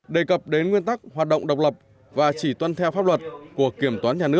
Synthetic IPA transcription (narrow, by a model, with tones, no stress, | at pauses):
ɗe˨˩kə˨˩p̚ɗe˨˦nŋwi˧ənt̪a˦˥k̚hwaː˨˩t̚ɗo̰˧˨wŋ͡mɗə˨˩wk͡p̚lə˨˩p̚ | vaː˨˩t͡ɕi˧˩t̪wa˧nt̪ʰɛ˧wfaː˦˥p̚lwə˨˩t̚ku˧˩əki˧˩əmt̪waː˨˦ɲaː˨˩nɨ˦˥ək̚